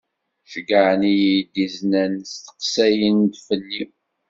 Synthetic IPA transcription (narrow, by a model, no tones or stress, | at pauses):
ʃɡəʕnijijd̪iznænst̪ə̥qsæjənd̪fənːi